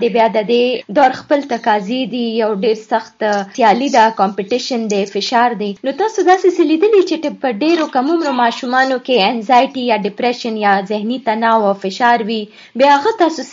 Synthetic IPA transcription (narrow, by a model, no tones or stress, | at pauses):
d̪ebjad̪əd̪ed̪oɾxpəlt̪akɑzid̪ijawɖeɾsaxt̪sjɑlid̪akɔmpɪʈɪʃənd̪efɪʃɑɾd̪enot̪ɑsod̪ɑseselid̪əlit͡ʃeʈepəɖeɾokamumɾomɑʃumɑnokeɛnzajʈijaɖɪpɾɛʃənjazɪhnit̪anɑwawfɪʃɑɾwi | bjaaɣat̪ɑsos